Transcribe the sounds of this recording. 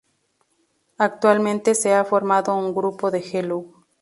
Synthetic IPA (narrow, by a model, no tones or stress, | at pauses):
ak̚t̪walmẽnt̪eseafo̞ɾmaðouŋɡɾupo̞ðexelu